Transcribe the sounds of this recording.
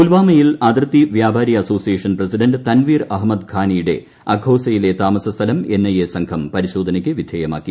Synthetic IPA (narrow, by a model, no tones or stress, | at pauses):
ulʋaːmɐjilɐd̪rɨt̪ːiʋjaːbʱaːɾjɐɐso̞ːsijeːʂɐnprɐsiɖɐnɖt̪ɐnʋiːrɐɦmɐd̪ɡʱaːnijɽe̞̰ | ɐɡʱoːsɐjile̞t̪aːmɐsɐst̪ʰɐlɐme̞nːɐjesɐŋkʰɐmpɐɾiɕo̞ːd̪ʱɐnɐkʲːɨʋid̪ʱjeːjɐma̰ːkːi